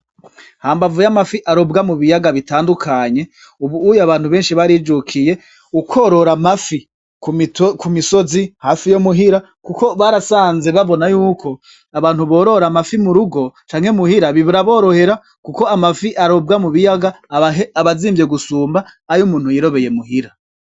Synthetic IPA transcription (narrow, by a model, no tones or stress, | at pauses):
haːmbavujamafiʔaɾo̞bɡamuβijaɡaβitaːndukʰaɲe̞ | uβuːjaβaːn̥huβe̞ːnʃiβaɾid͡ʒukʰije̞ | ukʰoɾo̞ɾamafi | kukʰumisozihafijomuɦiɾa | kuko̞βaɾasaːnze̞βaβo̞najuːkʰo̞ | aβaːn̥huβo̞ːɾo̞ɾamafimuɾuɡo̞t͡ʃaːŋ̥he̞muhiɾaβiβuɾaβo̞ːɾo̞he̞ɾa | kuko̞amafiʔaɾo̞b̚ɡamuβijaɡa | aβaziːmvje̞ɡusuːmbaːjumuːnhujiɾo̞βe̞je̞muhiɾa